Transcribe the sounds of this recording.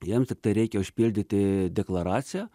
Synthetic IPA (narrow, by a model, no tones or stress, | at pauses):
jɛmst̪ʲɪk̚t̪ɐɪɾʲɛɪkʲɛʊʃʲpʲilʲd̪ʲɪt̪ʲɪd̪ʲɛklˠɐɾɑːt͡sʲɪjɛ